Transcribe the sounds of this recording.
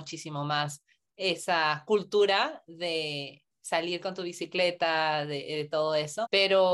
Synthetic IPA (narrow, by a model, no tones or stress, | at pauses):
ut͡ʃisimomas | e̞sakult̪uɾaðe̞ | saliɾko̞nt̪uβisikle̞t̪aðeðet̪o̞ðoe̞so̞pe̞ɾo